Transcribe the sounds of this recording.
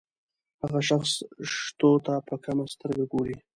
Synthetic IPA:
haɣaʃaxsʂt̪ot̪apəkamast̪əɾɡaɡoɾi

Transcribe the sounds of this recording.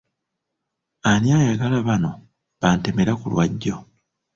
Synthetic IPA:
aniaːjaɡalaβano̞ | βaːnte̞me̞ɾakulwaɟːo̞

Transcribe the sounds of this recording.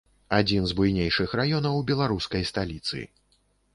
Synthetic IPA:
ad͡zʲinzbujnʲejʂɨxrajɔnɐwbʲɛlˠaɾuskɐjst̪alʲit̪sɨ̰

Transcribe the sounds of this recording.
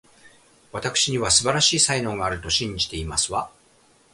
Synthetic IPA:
βat̪akɯ̟̥ɕiɲ̟iβasɨbaɾaɕiːsainõ̞ŋɡaːɾɯ̟t̪o̞ɕĩɲ̟d͡ʑi̥t̪e̞imasɨβa

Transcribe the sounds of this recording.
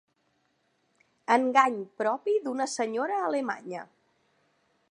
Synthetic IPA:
əŋɡaɲpɾɔpiðunəsəɲoɾəːləma̰ɲə

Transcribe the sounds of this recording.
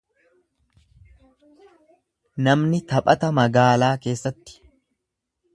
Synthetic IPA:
nɐmnɪt̪ɐpʼɐt̪ɐmɐɡaːlaːke̞ːsːɐt̪ːɪ̥

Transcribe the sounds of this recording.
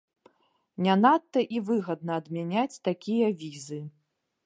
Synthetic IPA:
nʲanat̪ːɐʔivɨɣɐd̪nɐːd̪mʲɛnʲat͡sʲt̪akʲijɐvʲizɨ

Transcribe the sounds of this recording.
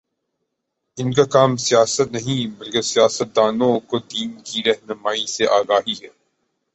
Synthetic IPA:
ɪnkakaːmsijaːsət̪nɐɦĩbɐlkɪsijaːsət̪̚d̪aːnõkod̪iːnkiɾɛɦnəmaːiseʔaːɡaːɦiɦɛː

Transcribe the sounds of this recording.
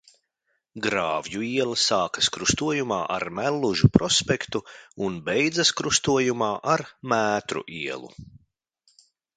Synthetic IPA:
ɡɾaːvjuiɛlˠasaːkɐ̥skɾust̪uɔjumaːʔa̰ɾmælˠːuʒupɾɔspɛkt̪uunbɛjd̪zɐskɾust̪uɔjumaːʔaɾmæːt̪ɾṵʔiɛlˠṵ

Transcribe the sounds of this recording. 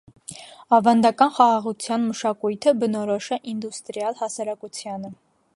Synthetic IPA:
ɑvɑnd̪ɑkɑnχɑʁɑʁut͡sʰjɑnməʃɑkujt̪ʰəbənɔɾɔʃɛʔind̪ust̪ɾjɑlhɑsɑɾɑkut͡sʰjɑnə

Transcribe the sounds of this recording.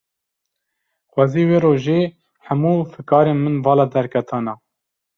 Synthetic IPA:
xwɑːziːweːɾoːʒeː | ħamuːfɨkɑːɾeːnmɨnvɑːlɑːd̪ɛɾkʰɛt̪ʰɑːnɑː

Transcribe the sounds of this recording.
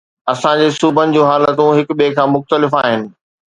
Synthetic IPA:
ɐsãd͡ʑeːsuːbənɪ̆d͡ʑũːɦaːlət̪ũɦɪkɓekʰãːmʊxt̪əlɪfaːɦɪnɪ̆

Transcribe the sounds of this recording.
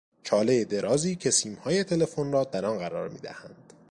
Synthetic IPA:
t͡ʃʰɒːle̞jed̪e̞ɾɒːziːcʰe̞siːmhɒːje̞t̪ʰe̞le̞fonɾɒːd̪æɾɒnɢæɾɒ̰ːɾmḭːd̪æ̰hænd̪̥

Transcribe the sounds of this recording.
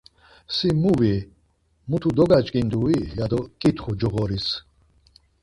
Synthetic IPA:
simuvi | mut̪ʰud̪ɔɡat͡ʃʼkʼind̪uijad̪ɔkʼit̪χud͡ʒɔʁɔɾis

